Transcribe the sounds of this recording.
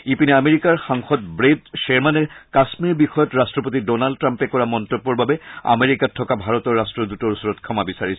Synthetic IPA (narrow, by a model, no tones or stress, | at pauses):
ipinameɹikaɹxaŋxɔdbɹedʃɛɹmanɛkasmiɹbixɔjɔtɹastɹɔpotidɔnaldtːɹampɛkɔɹamɔntobːɔɹbabɛa̰meɹikatʰːɔkabʱaɹɔtɔɹːastɹɔdutɔɹusɔɹɔtkʰɔmabisaɹisʰɛ